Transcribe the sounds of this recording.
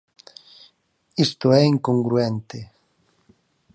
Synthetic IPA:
ist̪ʊɛiŋkoŋɡɾuɛnt̪e

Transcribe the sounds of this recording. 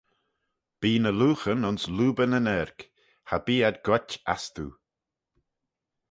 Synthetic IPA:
b̥iːnəluːxənʊnsluːbənənɛɾk | habiːad̪ɡwɛta̰st̪ṵ

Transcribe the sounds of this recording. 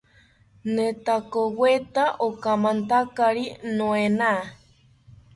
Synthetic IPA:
net̪akowet̪aʔokamãnt̪akaɾinõena

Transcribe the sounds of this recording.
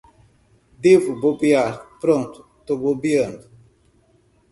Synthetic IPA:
d̪evubobiaɾpɾõnt̪u̥ | t̪obobiɐ̃nd̪u

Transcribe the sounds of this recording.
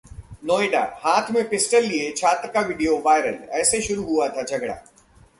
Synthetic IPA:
noːeɖa̰haːt̪ʰmẽpɪsʈəlːiet͡ʃʰaːt̪ɾəkaʋɪɖijoʋaːjɾəlɛːseʃʊɾuɦuat̪ʰad͡ʒʱɐɡɽa̰ː

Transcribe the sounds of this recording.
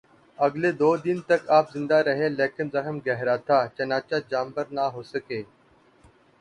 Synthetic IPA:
ɐɡleːd̪oːd̪ɪnt̪əkaːpzɪ̃nd̪aːɾəɦẽːleːkɪnzəxəmɡɛɦɾaːt̪ʰaːt͡ʃɐnaːt͡ʃaːd͡ʒaːmbəɾnaːɦoːsəkeː

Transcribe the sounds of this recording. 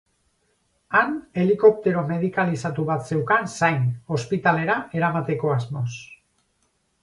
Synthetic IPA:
ane̞liko̞p̚t̪e̞ɾo̞me̞ð̞ikalisat̪uβ̞at̪se̞wkansajno̞spit̪ale̞ɾaʔe̞ɾamat̪e̞ko̞azmo̞s

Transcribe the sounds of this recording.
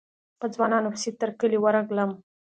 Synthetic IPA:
pəd͡zwɑnɑnofsit̪əɾkəliwaɾaɡləm

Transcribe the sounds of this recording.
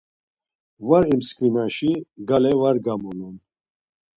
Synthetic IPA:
vaɾimskvinaʃiɡalɛvaɾɡamɔlun

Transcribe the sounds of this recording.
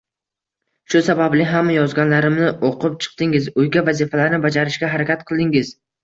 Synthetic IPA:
ʃʊsabablɪɦamːjɒzɡʲanlaɾɪmnɪʔoqɨp̚t͡ʃʰɨ̥q̚t̪ɪŋɪzʊjɡʲavazifalaɾnɪbad͡ʒaɾɪʃɡʲaɦaɾakʲat̪̚qʰɨlˠd̪ɪŋɪz̥

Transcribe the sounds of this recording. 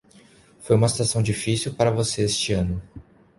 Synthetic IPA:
fojũmɐsi̥t̪asɐ̃w̃d͡ʒifisiwpaɾɐvoseest͡ʃɪɐ̃nʊ

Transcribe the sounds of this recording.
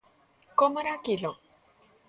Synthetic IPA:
komaɾakilo

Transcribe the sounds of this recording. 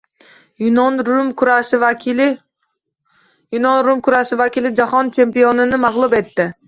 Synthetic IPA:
nʊmkʰʊɾas | jʊnɒnɾʊmkʰʊɾasɪvakʲɪlɪd͡ʒahɒnt͡ʃʰe̞mpijonɪnɪmaʁlˠʊbe̞t̪ːɪ

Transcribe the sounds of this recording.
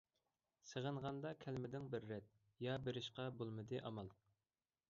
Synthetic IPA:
səʁəɴʁɑnd̪ɑkʲʰælmɪd̪ɪŋbɪɾːɛt̪̚ | jɑbeɾɪʃqɑbolˠmɨd̪ɨʔɑmɑlˠ

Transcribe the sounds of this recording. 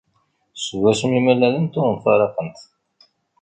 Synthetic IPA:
səwæsəmimælːælənt̪ʊɾˤənfæɾˤɑqənt̪

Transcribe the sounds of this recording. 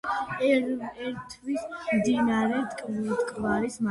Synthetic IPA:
ɛɾt̪ʰvismd̪inaɾɛt̪kʼt̪ʼkʼvaɾisma

